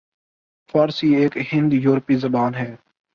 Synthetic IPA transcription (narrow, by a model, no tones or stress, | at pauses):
fɔːɾsiːeːkɦɪ̃nd̪juːɾpizɐbaːnɦɛː